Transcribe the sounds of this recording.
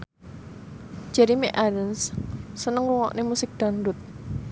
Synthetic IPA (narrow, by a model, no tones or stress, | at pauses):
d͡ʒ̥ɛɾimiʔalənsːənəŋuwɔ̰ʔnemusɪk̚d̪̥ɔ̤ndʊt̪̚